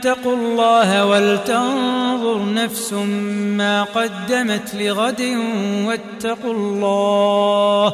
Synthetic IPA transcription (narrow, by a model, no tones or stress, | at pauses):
t̪ːɑqʊlˤːɑːhawalt̪anðˤʊɾˤnafsʊmaːqɑd̪ːamat̪lɪɣad̪ɪwat̪ːɑqʊlːɑː